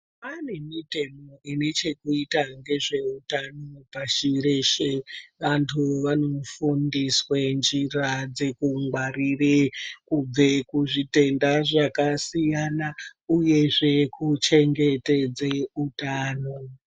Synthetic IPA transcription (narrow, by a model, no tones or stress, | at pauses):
ane̞mite̞moʔinet͡ʃe̞kuitaŋɡe̞ʐe̞utanopaʃiɾeʃeʋantʰuʋano̞fundiswend͡ʒirad͡ze̞kuŋɡwarirekub͡ve̞kuʐite̞ndaʐakasijanauje̞ʐe̞kʰut͡ʃe̞ŋɡe̞te̞d͡zeutaːno